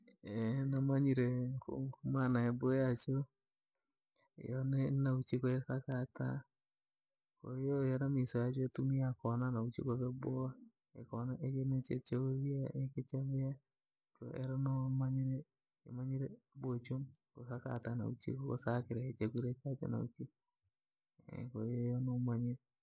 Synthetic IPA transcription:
enamaɲiɾeko̰kumanaebojat͡ʃo | jonenaut͡ʃikoesakata̰ | ko̰jojaɾamisojat͡ʃoetumiakonanaut͡ʃḭkoβebo | ḛkonaʔekenet͡ʃḛt͡ʃeoβjaeket͡ʃaβeja | ko̰ʔeɾanomaɲiɾe | ḛmaɲiɾe | bot͡ʃokosaka̰tana̰ut͡ʃḭkoko̰sakiɾeet͡ʃekuɾekat͡ʃḛna̰ṵt͡ʃi | kojojonomaɲiɾ

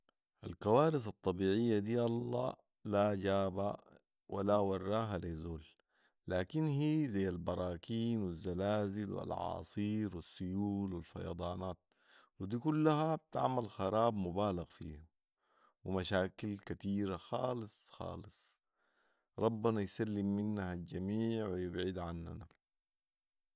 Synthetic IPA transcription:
ʔa̰lkawaːɾɪsɑt̪ˤːɑbiːʕɪjːad̪iːʔɑlˤːɑ̰ː | laɟaːba̰ | wʔa̰lawɑrˤːɑːɦalizoːl | laːkinhiːzajːalbɑɾˤɑːkiːnwizːalaːzilwḭlʕɑ̰ːsˤiːɾwisːʊjuːlwilfɑ̰jɑ̰d̪ˤɑːnaːt̪̚ | wid̪iːkulːaɦab̚t̪a̰ʕmalxɑɾˤɑːbmubaːlaɣfḭːha | wimaʃaːkilkat̪iːɾaxɑːlɨsˤxɑ̰ːlɨsˤ | ɾˤɑbːanajsalːimːinːahald͡ʒamiːʕwijɪbʕid̪ʕanːa̰na

